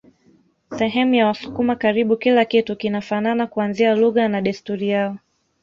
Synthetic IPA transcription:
sɛɦɛmujawasu̥kumakaɾiɓukilakitukinafananakuanzialuɣanaɗɛstuɾijaɔ

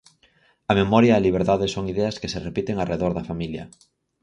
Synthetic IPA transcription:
ɐmemɔɾjaːliβ̞eɾðaðesoŋiðɛɐaskeserepit̪eŋareðoɾðɐfamiljɐ̰

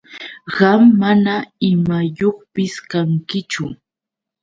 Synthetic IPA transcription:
ɢɑmːanaɪmajoχpɪskaŋkɪt͡ʃʊ

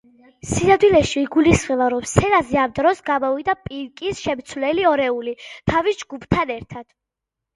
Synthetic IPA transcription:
sinad̪wilɛʃiːɡulisχɛvaɾɔmsɛnazɛamd̪ɾɔsɡamɔvid̪apʼiɾkʼisʃɛmt̪sʰwvlɛliɔɾɛulit̪ʰavisd͡ʒɡupʰt̪ʰanɛɾt̪ʰad̪̥

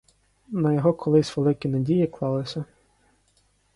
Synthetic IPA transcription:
nɐjɔɦɔkʰɔlˠɪsʲʋelˠɪkʲinɐdʲijiklˠɑlˠɪsʲɐ

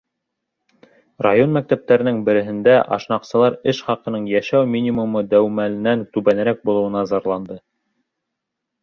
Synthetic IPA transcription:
rajo̞nmæk̚t̪æp̚t̪æɾɘ̆nɘŋbɘ̆ɾɘ̆ɦɘ̆nd̪æʔɑ̰ʃnɑqsɤ̆lˠɑɾɘʃχɑqɤ̆nɤɴjæʃæwmʲinʲimumɤd̪æwmælɘ̆nænt̪ʉβænɘ̆ɾæk̚bulˠɤ̆wɤ̆nɑzɑɾlˠɑnd̪ɤ

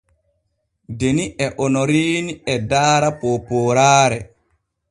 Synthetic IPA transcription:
deniʔɛʔɔnɔɾiːniɛdaːɾapɔpɔːɾaːɾɛ

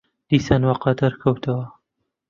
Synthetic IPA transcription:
d̪̥iːsaːnwɑqɑd̪ɐɾkʰɐwt̪ʰɐwɐ

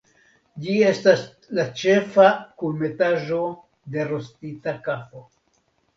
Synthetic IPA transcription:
d͡ʒie̞stas | lat͡ʃe̞fakulme̞taʒo̞ | de̞ɾo̞stitakapo̞

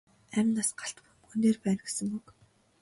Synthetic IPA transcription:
æmʲɪ̆naːsɢḁɬt̪pumxuneːrpæːnɡesɘ̆ŋuk

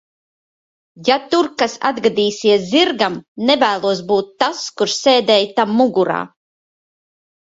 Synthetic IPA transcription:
jat̪uɾkasa̰d̪ɡad̪iːsiɛsziɾɡamnɛvæːlˠuɔs̬buːt̪ːaskuɾseːd̪ɛːjt̪amːuɡuɾa̰ː

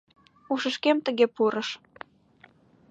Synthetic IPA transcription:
uʃəʃkemt̪ə̆ɣepuɾəʃ

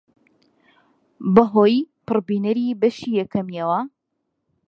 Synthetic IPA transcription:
bɐɦoːjpɨrbiːnɐɾiːbɐʃiːjɛkɐmjɛwɐ

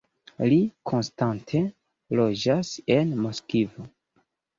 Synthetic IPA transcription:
likʰo̞nstantʰe̞ | lod͡ʒase̞nmoskivo

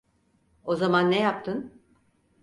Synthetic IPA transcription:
o̞zamanːɛjap̚t̪ʰɯn

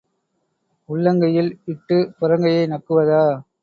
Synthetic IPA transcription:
ʊɭːɐŋɡɐjɪlɪʈːɯpʊɾɐŋɡɐjɐɪnɐkːɯʋɐðaː

